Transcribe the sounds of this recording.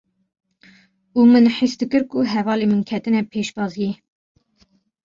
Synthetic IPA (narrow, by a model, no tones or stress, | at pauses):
uːmɨnħisd̪ɨkɨɾkuɦɛvɑːlemɨnkʰɛt̪ɨnɛpʰeːʃbɑːziɛ